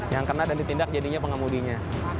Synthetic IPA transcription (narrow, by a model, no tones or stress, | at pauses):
jaŋkərnadandit̪indak̚d͡ʒadiɲapəŋamudiɲa